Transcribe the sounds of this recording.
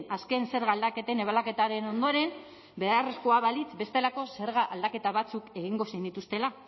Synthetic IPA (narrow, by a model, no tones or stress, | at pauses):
naske̞nse̞ɾɣald̪ake̞t̪e̞ne̞β̞alake̞t̪aɾe̞no̞nd̪o̞ɾe̞n | be̞ðaresko̞aβalit͡sbe̞st̪e̞lako̞se̞ɾɣaʔald̪ake̞t̪aβat͡suke̞ɣiŋɡo̞sejnd̪it̪ust̪e̞la